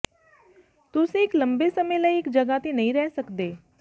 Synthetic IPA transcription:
t̪ʊsẽːɪkləmbeːsəmẽːləiɪkd͡ʒəɡaːt̪enəĩːɾɛːsəkd̪eː

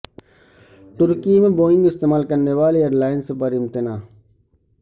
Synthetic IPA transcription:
ʈ̪ʊɾkimẽboːɪ̃ŋɡɪst̪eːmaːlkəɾneːʋaːleeːɾlaːɪnspəɾɪmt̪ɪnaː

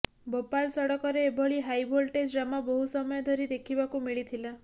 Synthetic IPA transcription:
bopalsɔɽɔkɔɾeːbʱɔɭiɦajbʱolʈesʈɾamabɔɦusɔmɔjɔd̪ʱɔɾid̪ekʰibakumiɭit̪ʰila

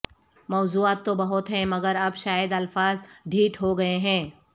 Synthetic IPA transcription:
mɔːzuːaːt̪ːobɐɦʊt̪ɦɛ̃mɐɡəɾɐbʃaːjəd̪ɐlfaːzɖʱiːʈɦoɡɐeɦɛ̃ː

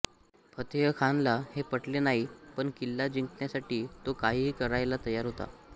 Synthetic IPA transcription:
pʰət̪jəkʰanlahepəʈlenaɦipəɳkilːad͡ʑiŋkɳjasaʈiːt̪okaɦiːɦiːkəɾajlat̪əjaɾɦot̪a̰

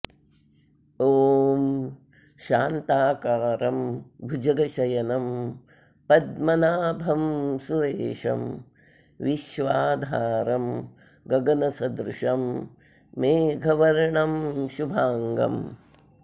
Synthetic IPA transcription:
oːm | ʃaːnt̪aːkaːɾɐmbʱud͡ʒɐɡɐʃɐjɐnɐm | pɐd̪mɐnaːbʱɐmsuɾeːʃɐ̰m | ʋiʃʋaːd̪ʱaːɾɐm | ɡɐɡɐnɐsɐd̪ɾuʂɐmː | eːɡʱɐʋɐɾɳɐmʃubʱaːŋɡɐ̰m

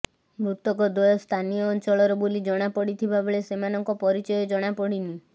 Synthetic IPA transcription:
mɾut̪ɔkɔd̪ɔjɔst̪ʰanijɔːnt͡ʃɔɭɔɾɔbolid͡ʒɔɽ̃apɔɽit̪ʰibabeɭesemanɔŋkɔpɔɾit͡ʃɔjɔd͡ʒɔɽ̃apɔɽini

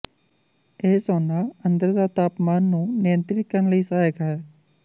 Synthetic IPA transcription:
eːsɔːnaːənd̪əɾd̪aːt̪aːpmaːnːũːnɪjənt̪ɾɪt̪̚kəɾnləiːsaːjəɡɦɛː

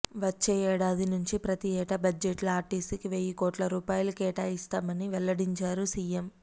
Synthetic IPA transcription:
ʋɐt͡ʃːeːɛːɽaːd̪inuɲt͡ʃipɾɐt̪iɛːʈɐbɐd͡ʒeʈlɐaːɾʈisikiʋeːjikoːʈlɐɾuːpaːjlukɛːʈaːist̪aːmɐniʋɛɭːɐɽiɲt͡ʃaːɾusiːjem

